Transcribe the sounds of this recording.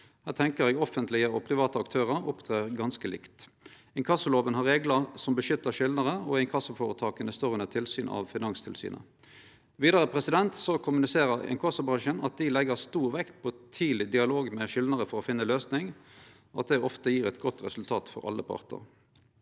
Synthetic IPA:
hæːʁt̪ʰɛŋkəʁjɛːɡɔfənt̪ʰlɪəɔpʰʁɪʋɑːt̪əɑkt̪ʰøːʁəɾʊpt̪ʰʁeːʁɡɑnskəlɪ̰kt̪ | ɛŋkʰɑsəloːʋənhɑʁeːɡləsɔmbəʃʏt̪ːəʃɪlnəʁəɔɛɪŋkʰɑsəfoːʁət̪ʰɑːkənəst̪oːʁʉnət̪ʰɪlsyːnʔɑ̰ʋfɪnɑŋst̪ʰɪlsy̰ːnʔə̰ | ʋiːd̪əʁəpʰʁɛsɪd̪ɛnt̪sɔkʰʊmʉnɪseːʁəʁɛ̰ŋkʰɑsəbʁɑŋʃənɑt̪̚d̪ɪlɛɡəʁst̪uːʁʋɛkt̪pʰɔt̪ʰiːlɪd̪ɪɑloːɡmɛʃɪlnəʁəfɔɾɔfɪnːəløːsnɪŋ | ɔɑt̪̚d̪ɛɔft̪əjiːʁɛt̪ɡɔt̪ʁɛsʉlt̪ʰɑːt̪fɔ̰ɾɑ̰lːəpʰɑ̰ʁt̪ə̰ʁ

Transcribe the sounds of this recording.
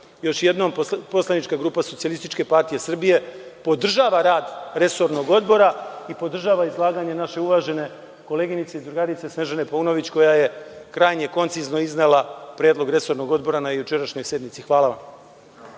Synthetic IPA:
jo̞ʃje̞d̪no̞mpo̞slˠanit͡ʃkaɡɾuːpaso̞t̪ialˠist̪it͡ʃke̞paɾt̪ije̞sr̩bije̞po̞d̪r̩ʒaːʋaɾaːd̪ɾe̞so̞ɾno̞ɡo̞d̪bo̞ɾaipo̞d̪r̩ʒaːʋaizlˠaːɡaɲe̞naʃe̞uʋaʒe̞ne̞ | ko̞le̞ɡinit̪seizd̪ɾuɡaɾit̪se̞sneʒane̞pouno̞ʋit͡ɕko̞jajekɾaːjɲe̞ko̞nt̪sizno̞iznelapɾe̞ːd̪lˠo̞ɡɾe̞so̞ɾno̞ɡo̞d̪bo̞ɾanajut͡ʃe̞ɾaʃɲo̞jsje̞d̪nit̪sixʋaːlˠaʋam

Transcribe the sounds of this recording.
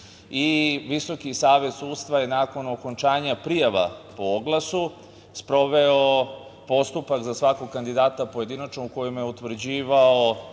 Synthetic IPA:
iʋiso̞kisaːʋe̞t̪suːd̪st̪ʋaje̞naːko̞noko̞nt͡ʃaːɲapɾijaʋa̰pooɡlˠasu | spɾo̞ʋeopo̞st̪upakzasʋako̞ɡkand̪id̪aːt̪apoje̞d̪inat͡ʃnouko̞jimjeut̪ʋr̩d͡ʑiːʋao

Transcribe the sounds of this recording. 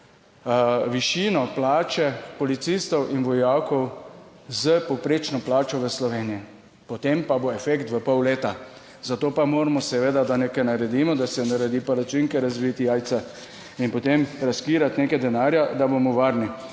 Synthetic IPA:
ʋiʃiːnɔplaːt͡ʃɛpɔlit̪sist̪ɔwʔinʋɔjaːwkɔw | zəpɔpɾeːt͡ʃnɔplaːt͡ʃɔʋəslɔʋeːnijɛ | pɔt̪empaboɛfekt̪ʋəpɔwleːt̪a | zat̪oːpamoːɾamɔsɛʋeːd̪ad̪anekajnaɾɛd̪imɔd̪asɛnaɾɛd̪iːpaɾat͡ʃiŋkɛɾazʋit̪iajt̪sa | inpɔt̪emɾaskiːɾat̪neːkajd̪ɛnaːɾjad̪abomɔʋaːɾni

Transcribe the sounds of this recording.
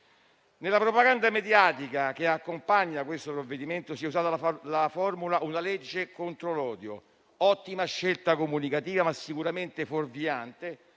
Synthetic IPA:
nɪlːapɾopaɡand̪amed̪jaːt̪ikak̟eakːompaɲːakwest̪opɾovːed̪iment̪osiɛuzaːt̪alafɔrmulaʔunalɛd͡ʒːekont̪ɾolɔːd̪jo | ɔt̪ːimaʃːelt̪akomunikat̪iːvamasːikuɾament̪eforviant̪e

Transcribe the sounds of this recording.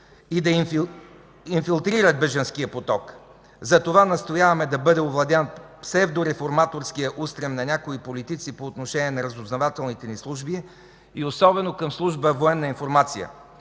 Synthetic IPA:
id̪ɐ | infilˠt̪ɾiɾət̪̚bɛʒənskijəpot̪ɔk | zɐt̪ovanɐst̪ojavɐmɛd̪ɐbɤd̪ɛovlˠɐd̪ɛn | sɛvd̪oɾɛfoɾmat̪oɾsk̟ijəʔust̪ɾɛmnɐnʲakoipolit̪it̪sipoːt̪noʃɛniɛnɐɾɐzoznovat̪ɛlˠnit̪ɛnislˠuʒbi | iosɔbɛnokəmslˠuʒbəvoɛnːəinfoɾmat̪sijə̰

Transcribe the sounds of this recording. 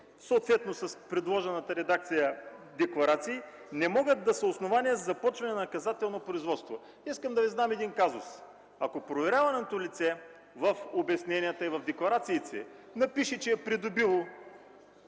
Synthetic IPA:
soot̪vɛt̪nosɐspɾɛd̪lˠɔʒɛnət̪əɾɛd̪ak̚t̪sijəd̪ɛklˠɐɾat̪siː | nɛmɔɡəd̪̚d̪ːɐsɐosnovaniəzzːɐpɔt͡ʃvɐnɛnɐnkɐzat̪ɛlˠnopɾʊizvɔt̪st̪vo | iskəmd̪ɐviznamɛd̪inkazʊs | ɐkopɾovɛɾʲavɐnɛt̪olit̪sɛ | vɐfobɛsnɛnʲiət̪əivɐvd̪ɛklˠɐɾat̪siːt̪ʰɛ̰nɐpiʃɛt͡ʃɛːpɾid̪ʊbilˠo

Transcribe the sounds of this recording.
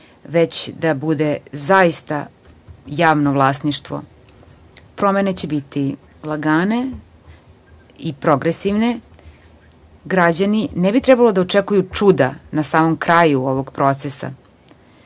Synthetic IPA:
ʋet͡ɕd̪abud̪e̞zaist̪a | jaːʋnoʋlˠaːsniʃt̪ʋo̰ | pɾo̞mene̞t͡ɕebit̪i | lˠaɡaːne | ipɾo̞ɡɾesiʋne | ɡɾad͡ʑaninebit̪ɾɛbalo̞d̪aot͡ʂekujut͡ʂud̪anasaːmomkɾaːjuoʋoɡpɾo̞t̪sesa̰

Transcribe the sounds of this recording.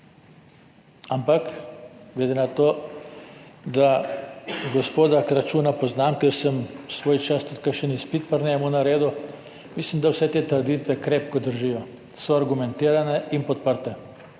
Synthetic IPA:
ampakɡlɛd̪enat̪oː | d̪a | ɡɔspoːd̪akɾat͡ʃuːnapɔznaːmkɛɾsəmsʋoːjt͡ʃast̪ut̪̚kəkʃənispit̪pəɾnɛmunaɾeːd̪u | mislimd̪awsɛt̪eːt̪əɾd̪it̪ʋɛkɾeːpkɔd̪əɾʒijɔ | sɔaɾɡumɛ̃nt̪iːɾanɛinpɔt̪̚pəɾt̪ɛ

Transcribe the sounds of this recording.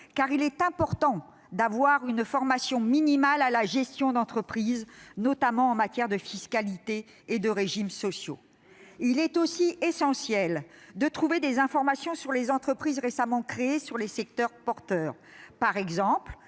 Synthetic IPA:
kaʁilɛt̪ɛ̃pɔʁt̪ɑ̃ | d̪avwaʁynfɔʁmasjɔ̃minimalalaʒɛst̪jɔ̃d̪ɑ̃t̪χəpχiznɔt̪amɑ̃ɑ̃mat̪jɛʁd̪əfiskalit̪eː | d̪əʁeʒimsɔsjo̰ | ilɛt̪osiesɑ̃sjɛld̪ət̪χuved̪ezɛ̃fɔʁmasjɔ̃syʁlezɑ̃t̪χəpχizʁesamɑ̃kχeːsyʁlesɛk̚t̪œʁpɔʁt̪œːʁ | paʁɛɡzɑ̃pl

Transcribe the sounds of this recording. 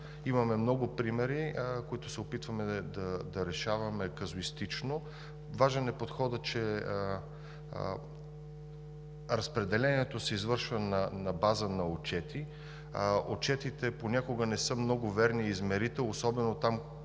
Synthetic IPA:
imɐmɛmnɔɡʊpɾimɛɾikoit̪ʊsɛopit̪vɐmɛd̪ɐd̪ɐɾɛʃavɐmɛkɐzʊist̪it͡ʃno | vaʒɛnɛpot̪xɔd̪ət͡ʃɛ | ɾɐspɾɛd̪ɛlɛniɛt̪osɛizvɤɾʃvɐnɐnɐbazənɐot͡ʃɛt̪i | ot͡ʃɛt̪it̪ɛponʲakoɡənɛsɤmnɔɡʊvɛɾniːzmɛɾit̪ɛlosɔbɛnot̪am

